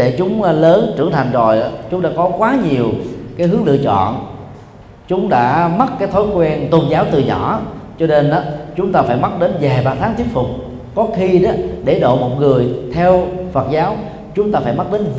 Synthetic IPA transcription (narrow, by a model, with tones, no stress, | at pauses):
e˧˩t͡ɕʊ˨˦ŋ͡mləː˨˦nʈ͡ʂɨ̰˧˩əŋt̪ʰa˨˩jŋ̟zo˨˩ja˨˦t͡ɕʊ˨˦ŋ͡mɗa̰ː˧˥kɔ˨˦kwaː˨˦ɲi˨˩əwkaː˨˦jɦɨ˨˦əŋlɨ̰˧˨ət͡ɕɔ̰˧˨n | t͡ɕʊ˨˦ŋ͡mɗa̰ː˧˥mə˦˥t̚kaː˨˦jt̪ʰo˨˦jkwɛ˧nt̪o˧nzaː˨˦wt̪ɨ˨˩ɲɔ̰˧˩˦t͡ɕɔ˧ne˧nʔaː˨˦t͡ɕʊ˨˦ŋ͡mt̪aː˧faː˧˩jmə˦˥t̚ɗe˨˦nvaː˨˩ɓaː˧˩t̪ʰaː˨˦ŋt̪ʰi˦˥ət̚fʊ˨˩k͡p̚ | kɔ˨˦xi˧ɗa˨˦ɗe˧˩ɗo̰˧˨mo˨˩t̚ŋɨ˨˩əjt̪ʰɛ˧wfə˨˩t̚zaː˨˦w | t͡ɕʊ˨˦ŋ͡mt̪aː˧faː˧˩jma˦˥ɗe˨˦n